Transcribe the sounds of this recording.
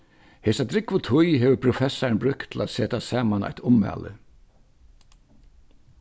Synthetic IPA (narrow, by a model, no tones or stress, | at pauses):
hɛːsat̪ɾɪkvʊt̪ʰʊjɦɛːʋəpʰɾʊfɛsːaɹnbɾʏkt̪ʰɪla̰t̪seːt̪asaːmana̰jt̪ʊmːa̰ːlə̰